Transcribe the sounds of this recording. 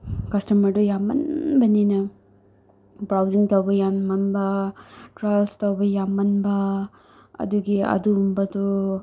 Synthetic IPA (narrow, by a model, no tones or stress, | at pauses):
kɐstɐmɐɾdujamːɐ̰nbɐninɐ | bɾawd͡ʒiŋtɐwbɐjamːɐnbɐtɾajlstowbɐjamɐnbɐ | ɐ̰duɡiɐ̰dumbɐdu